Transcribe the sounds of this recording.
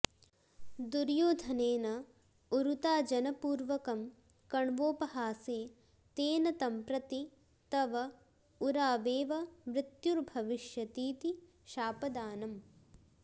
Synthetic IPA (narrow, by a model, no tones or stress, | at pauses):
d̪uɾjoːd̪ʱɐneːnɐ | uɾut̪aːd͡ʒɐnɐpuːɾʋɐkɐm | kɐɳʋoːpɐɦaːseː | t̪eːnɐt̪ɐmpɾɐt̪i | t̪ɐʋɐ | uɾaːʋeːʋɐmɾɪt̪juɾbʱɐʋiʃjɐt̪iːt̪i | ʃaːpɐd̪aːnɐm